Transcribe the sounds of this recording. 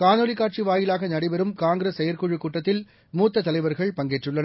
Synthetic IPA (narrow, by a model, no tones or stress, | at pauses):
kaːnoːlɪkːaːʈt͡ʃiʋaːjɪlaːɣɐnɐɽɪbɛɾɯmkaːŋɡɾesɐjɐɾkuɻɯkuːʈːɐt̪ːɪl | muːt̪ːɐt̪ːɐlɐɪʋɐɾɣɐɭpɐŋɡeʈrɯɭːɐnɐ